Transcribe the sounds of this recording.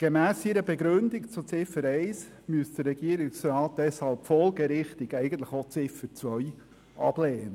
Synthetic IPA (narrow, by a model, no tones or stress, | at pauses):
ɡ̥emæːsiɾəbeɡɾɵnd̪ɪkt͡sʊt͡sɪfəɾɛɪs | myəsd̥əɾːɛɡiəɾɪksɾɑːt̚d̥ɛshɑlˠpfɔlɡəɾɪχtɪɡɛɪɡən̩t̪ləχot͡sɪfət͡sʋœj | ʔɑ̰b̥leːnə